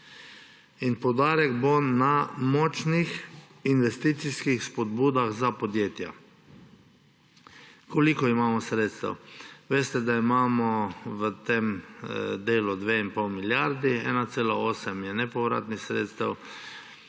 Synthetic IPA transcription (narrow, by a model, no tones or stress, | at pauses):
inpowd̪aːɾɛɡbonamɔt͡ʃnix | inʋɛst̪iːt̪siskixspɔd̪buːd̪aɣzapɔd̪jeːt̪ja̰ | kolikɔimaːmɔsɾeːt̪st̪a̰wʋeːst̪ɛd̪aimaːmɔʋət̪em | d̪eːlud̪ʋeinpɔwmiljaɾd̪iɛ̰ːnat̪seːlaoːsɛmjɛnɛpɔʋɾa̰ːt̪nixsɾḛːt̪st̪a̰w